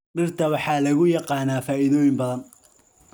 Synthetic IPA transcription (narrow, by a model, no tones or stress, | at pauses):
ɖɪrt̪ʰɐwɑħɑːlɐɣʊjɑqɑːnaːfaːʔɪðɔːjɪmbɐðɐn